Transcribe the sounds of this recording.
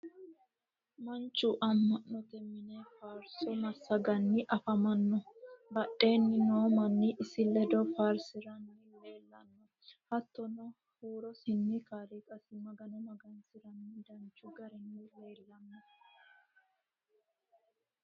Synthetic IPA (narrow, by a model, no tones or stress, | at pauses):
mɐnt͡ʃʼːʊʔɐmːɐnːɔt̪ɛmːɪnefaːɾsɔmɐsːɐɡɐnːɪʔɐfɐmɐnːɔbɐʔe̞ːnːɪnoːmɐnːɪʔɪsɪlɛd̪ɔfaːɾsɪɾɐnːɪle̞ːlːɐnːɔ | hɐt̪ːɔnɐ | huːɾɔsɪnːɪkaːlikʼɐsɪmɐɡɐnɔmɐɡɐnsɪɾɐnːɪd̪ɐnt͡ʃːʊɡɐɾɛnːɪle̞ːlːɐnːɔ